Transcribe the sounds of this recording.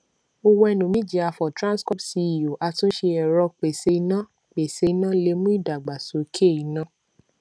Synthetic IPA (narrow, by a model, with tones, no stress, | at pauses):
o˧wɛ˧nũ˨mĩ˦d͡ʒi˧˦a˧fɔ˨tɾã˦skɔ˦psi˧i˨jo˨ʔa˧tũ˦ʃe˧ɛ˨ɾɔ˧k͡pe˨se˧nã˦ | k͡pe˨se˧nã˦le˧˦mũ˦i˦˨da˨ɡ͡ba˨so˨˦kʰe˦˨i˨nã˦